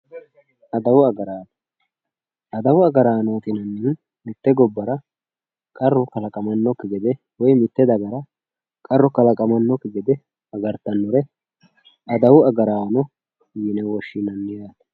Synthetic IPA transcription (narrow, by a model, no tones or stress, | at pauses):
ʔɐd̪ɐwʊɐɡɐɾaːt̪ɐ̥ | ɐd̪ɐwʊɐɡɐɾaːnoːt̪ɪnɐnːɪn | mɪt̪ːɛɡɔbːɐɾɐ | kʼɐrːɔkɐlɐkʼɐmɐnːɔkːɪɡɪd̪ɛ | wɔjmɪt̪ːɛd̪ɐɡɐɾɐ | kʼɐrːɔkɐlɐkʼɐmɐnːɔkːɪɡɛd̪ɛ | ɐɡɐɾt̪ːɐnːɔɾɛ | ɐd̪ɐwʊɐɡɐɾaːnɔ | jɪnɛwɔʃːɪnɐnːɪjaːt̪ɐ̥